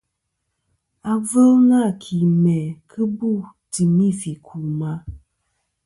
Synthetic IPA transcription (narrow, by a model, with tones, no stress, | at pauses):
a˨və˦lna˦˨kʰi˨mɛ˨kʰɨ˦bu˦˨ | ti˨mi˦˨fi˨kʰu˨ma˦